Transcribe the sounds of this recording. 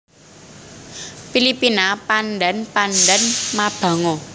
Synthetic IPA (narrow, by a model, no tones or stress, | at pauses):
filipinapanɖɛnpanɖɛnmab̥a̤ŋɔ